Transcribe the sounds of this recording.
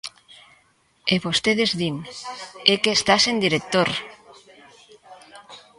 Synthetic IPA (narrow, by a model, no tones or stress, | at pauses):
eβost̪eðezðin | ekeːst̪asend̪iɾek̚t̪oɾ